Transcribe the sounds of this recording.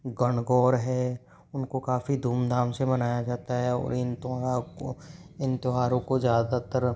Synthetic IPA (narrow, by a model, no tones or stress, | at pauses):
ɡəɳɡɔːɾɦɛː | ʊnkokaːfid̪ʱuːmd̪ʱaːmsemɐnaːjad͡ʒaːt̪aɦɛɔ̰ːɾɪnt̪aɾakoɪnt̪ʊɦaːɾõkozjaːd̪at̪əɾ